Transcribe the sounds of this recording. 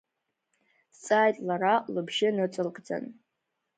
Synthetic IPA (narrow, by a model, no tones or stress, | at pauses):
t͡sʼajtʼlaɾalɨbʒɪnɨt͡sʷʼɨlkʼd͡za̰n